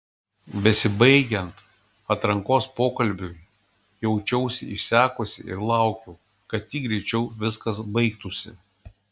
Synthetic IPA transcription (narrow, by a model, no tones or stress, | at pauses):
bʲɛsʲɪbɐɪɡʲɛnt̪ | ɐt̪ɾɐŋkoːspoːkɐlʲˑbʲu | jɛʊt͡ʃʲɛʊsʲɪɪsʲæːkoːsʲɪ̰ɪ̰ɾlˠɑˑʊkʲu | kɐt̪t̪ʲiːk̚ɡɾʲɛɪt͡ʃʲɛʊʋʲɪskɐsbɐɪkt̪ʊsʲɪ̰